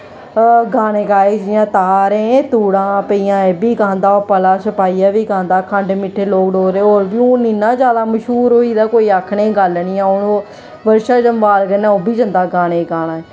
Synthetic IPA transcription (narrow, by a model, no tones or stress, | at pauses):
ɡaːñẽːɡaːeːd͡ʒɪjãːt̪aːɾẽːt̪uːɽãːpəiːãːeːbiːɡãːnd̪aːoːpəlaːsəpaːiːaːʋiːɡãːnd̪aːkʰəɳɖmɪʈʰeːloːkɖoːɾeːoːɾbiːõːninːãːd͡ʒaːlaːməʃɦuːɾoːiːd̪aːkoːiːaːkʰɽẽːɡəlnɪːãːonoː | ʋəɾʃaːd͡ʒəmʋaːlɡənːãːoːbiːd͡ʒənd̪aːɡaːñeːɡaːñaː